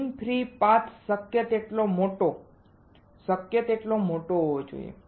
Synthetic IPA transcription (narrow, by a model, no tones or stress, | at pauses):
ŋpʰɾipat̪səkjət̪eʈlomoʈo | səkjət̪eʈlomoʈoɦod͡ʒo̰jḛ